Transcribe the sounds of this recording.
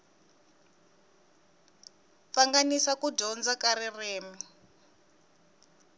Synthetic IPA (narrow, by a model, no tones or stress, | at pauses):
paŋɡanisakuɟɔnd͡zakaɾireːmi